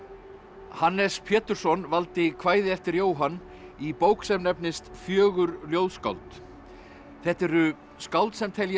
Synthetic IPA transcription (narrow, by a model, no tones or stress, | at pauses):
hanːɛspʰjɛːt̪ʏɾ̥sɔnvalt̪ɪkʰvaːjðɪɛft̪ɪɾjoːwɦanː | ipoːwksɛmnɛpnɪst̪fjœːɣʏɾljowðska̰wlt̪ | θɛht̪ɛɾʏ | skawlt̪sɛmt̪ʰɛl